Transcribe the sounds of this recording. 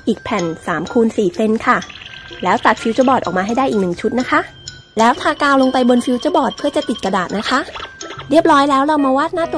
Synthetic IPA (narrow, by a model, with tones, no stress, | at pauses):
ʔiː˨˩k̚pʰɛ˨˩nsaː˩˦mkʰuː˧nsiː˨˩se˧nkʰa˥˩lɛː˦˥wt̪a˨˩t̪̚fi˧wt͡ɕɔː˥˩bɔː˨˩t̪̚ɔ̰ː˨˩maː˧ɦa˥˩jdaː˥˩ʔːknɯ˨˩ŋt͡ɕʰu˦˥t̪̚na˦˥kʰa˦˥ʔ | lɛː˦˥wt̪ʰaː˧kaː˧wlo˧ŋpa˧jbo˧nfi˧wt͡ɕaː˥˩bɔː˨˩t̪̚pʰɯ˥˩ɐt͡ɕa˨˩t̪i˨˩t̪̚ka˧daː˨˩t̪̚na˦˥kʰa˦˥ʔɾi˥˩əp̚ɾɔː˦˥jlɛː˦˥wɾa˧wmaː˧waː˦˥˩t̪̚naː˥˩t̪u˧